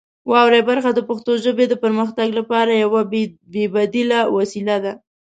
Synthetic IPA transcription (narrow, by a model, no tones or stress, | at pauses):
wɑwɾebaɾxad̪əpaxt̪oʒəbed̪əpəɾməxt̪aɡlapɑɾajawabebad̪ilawasilad̪a